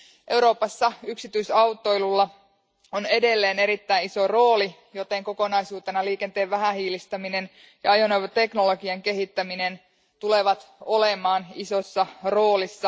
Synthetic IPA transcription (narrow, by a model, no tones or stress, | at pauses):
ʔe̞wɾo̞ːpɑsːɑyksit̪yisɑwt̪ːo̞jlulːɑ | one̞de̞lːeːne̞ɾit̪ːæinisoro̞ːli | jo̞t̪eŋko̞ko̞nɑisuːt̪enɑliːke̞nt̪e̞ːʋʋæɦæhiːlist̪æmine̞n | jɑ̰ɑjonoʋɑt̪e̞knolo̞ɡiɑŋke̞ɦit̪ːæminen | t̪ule̞ʋɑt̪o̞lemɑːniso̞sːɑro̞ːlisːɑ